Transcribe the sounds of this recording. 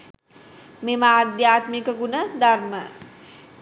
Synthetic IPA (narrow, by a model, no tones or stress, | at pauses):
memaːd̪jaːt̪mikəkunəd̪aɾmə